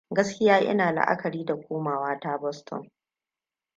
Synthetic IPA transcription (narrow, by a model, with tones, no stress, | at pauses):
ɡɐ˦skʲɪ˦jaː˦ʔɪ̰˦naː˨la̰˦ʔa̰˦kɐ˨ɾiː˦da˨kʷoː˦maː˨waː˦taː˦bɔ˦stʰɔ̰˨ŋ